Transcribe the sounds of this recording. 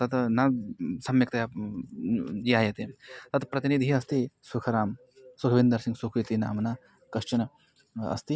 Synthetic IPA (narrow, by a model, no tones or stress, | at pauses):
t̪ɐt̪nɐsɐmjɐk̚t̪ɐja | d͡ʒiaːjɐt̪et̪ɐt̪pɾɐt̪inid̪ʱiɐst̪isukʰɐɾaːm | sukʰɐʋind̪ɐɾsiŋɡsukʰɾit̪ina̰ːmɐna | kɐʃt͡ʃɐnɐ | ɐ̰st̪i